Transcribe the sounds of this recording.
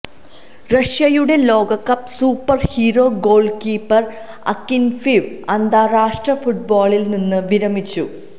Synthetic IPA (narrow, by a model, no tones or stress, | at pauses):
rɐʂjɐjuɽe̞lo̞ːɡɐkːɐpsuːpːɐrhiːɾo̞ːɡo̞ːɭɖkiːpːɐr | ɐ̰kːinfiʋɐnd̪ʱaːɾaːʂʈrɐfuʈ̚boːɭilninːɨʋiɾɐmit͡ɕːu